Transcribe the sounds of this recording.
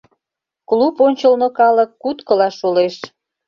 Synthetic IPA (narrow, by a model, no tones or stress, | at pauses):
kluponʲt͡ɕəlnokɑləkːut̪kəlɑʃoleʃ